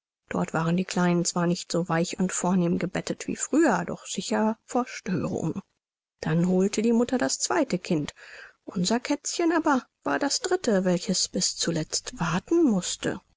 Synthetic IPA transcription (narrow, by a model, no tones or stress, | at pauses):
d̥ɔ̰ɐtv̥aːʁəndiːkʰl̥aɪnənt͡sv̥aːɐnɪçtz̥oːvaɪçʊntfoːɐneːmɡəbɛtətv̥ḭːfʁ̥yːɐdɔ̰χz̥ɪçɐfoːɐʃtø̰ːʁʊ̰ŋ | d̥anɦoːltʰədiːmʊtɐdast͡sv̥aɪtəkʰɪntʔʊnzɐkʰɛt͡sçənʔaːbɐv̥a̰ːɐdasd̥ʁɪtʰəvɛlçəsb̥ɪst͡sulɛt͡stv̥aɐtn̩mʊstʰə̰